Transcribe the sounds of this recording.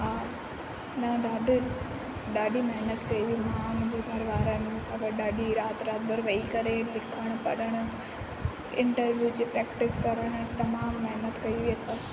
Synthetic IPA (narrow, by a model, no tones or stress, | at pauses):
ɦaː | nɐɗaːɗʱ | ɗaːɗimɐɦnət̪kɐiʋimãmʊ̃ɲd͡ʑoɡʱɐɾʋaːɾənẽsãɡɐʈɗaːɗiɾaːt̪ɾaːt̪̚bʱɐɾʋɐikɐɾelɪkʰəɽ̃ʊpɐɗəɽ̃ʊ̆ | ɪ̃ɳʈəɾʋjud͡ʑeːpɾɛːkʈɪskɐɾəɽ̃t̪ɐmaːmːɐɦnət̪kɐiʋiɐsã